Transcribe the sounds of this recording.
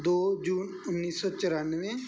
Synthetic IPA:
d̪oːd͡ʒuːn | ʊnːiːsɔːt͡ʃəɾaːnʋẽː

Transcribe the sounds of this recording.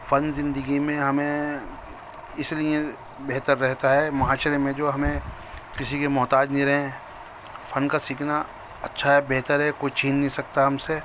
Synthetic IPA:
fɐnzɪ̃nd̪əɡimẽɦɐmẽ | ɪslijẽ | beɦt̪əɾːɛɦt̪aɦɛmɐɦaːʃəɾemẽd͡ʒoːɦɐmẽ | kɪsikemɔːt̪aːd͡ʒnĩɾɐɦẽ | fɐnkasiːkʰna | ɐtːʃʰaɦɛbeɦt̪əɾɦɛkoit͡ʃʰiːnːɦĩsɐk̚t̪aɦɐmse

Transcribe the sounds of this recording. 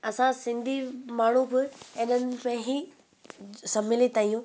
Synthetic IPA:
ɐsãsɪ̃nd̪ʱimaːɳ̤ũbɪenənɪ̆mẽɦi | sɐbmɪlet̪aːijũ

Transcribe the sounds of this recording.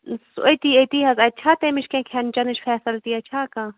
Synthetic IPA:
so̰jt̪iːɐt̪iːɦɐzɐt͡ʃʰaːt̪emiʃkẽkʰɐnt͡ʃɐnɨʃfʰɛːsɐlt̪iːɐt͡ʃʰaːkãː

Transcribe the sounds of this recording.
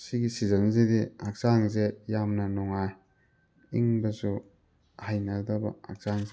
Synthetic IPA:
siɡisizɐnzediak̚z̥aŋzejamnɐnɔŋaj | iŋbɐzu | hajnɐldɐbɐ̰a̰k̚z̥aŋze

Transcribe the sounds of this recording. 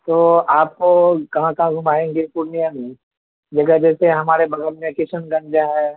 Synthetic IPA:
t̪oːaːp̚kokɐɦãkɐɦãɡʱʊmaːẽːŋɡepuɾnijanẽ | d͡ʒɐɡəd͡ʒɛːseɦɐmaːɾebʱɐɡəɾmẽkɪsənɡɐ̃ɳd͡ʒãɦɛː

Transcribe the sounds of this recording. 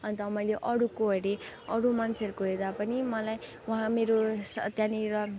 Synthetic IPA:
ʌnt̪ʌmʌjleʔʌɽukoɦʌɾeʌɽumant͡sʰʌɾkoɦed̪apʌnimʌlaj | uɦãmeɾost̪jãniɾʌ

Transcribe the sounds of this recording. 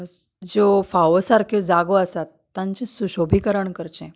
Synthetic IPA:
d͡zofaʋəsaɾkẽd͡zaɡoəsat̪ːãɲt͡ɕĩsuɕobʱikəɾəɳkəɾt͡ɕẽ

